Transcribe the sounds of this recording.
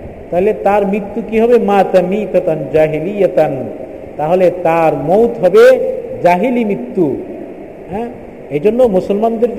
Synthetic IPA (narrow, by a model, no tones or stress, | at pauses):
t̪aɦilet̪aɾmɾit̪ːukiɦɔbemat̪ɐmit̪ɐt̪and͡ʒaɦilijɐt̪an | t̪aɦolet̪aɾmowt̪ɦɔbed͡ʒaɦilimɾit̪ːu | ɦɛ̃ | ejd͡ʒonːomusɔlmand̪eɾd͡ʒ